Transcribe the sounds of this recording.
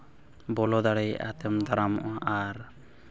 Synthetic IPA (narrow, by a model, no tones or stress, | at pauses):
bɔlɔd̪aɽɛjʔa̰t̪ɛmd̪aɾamɔ̰ʔaaɾ